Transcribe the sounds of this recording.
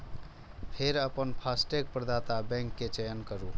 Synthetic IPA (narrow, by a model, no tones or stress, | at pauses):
pʰeɾəpənpʰasʈek̚pɾəd̪at̪abɛ̃ŋkːet͡ʃejənkəɾu